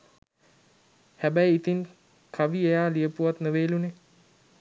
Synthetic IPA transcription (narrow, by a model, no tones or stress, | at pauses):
hæbæjit̪in | kʰaʋiejaːlijəpuʋat̪nəʋeːlune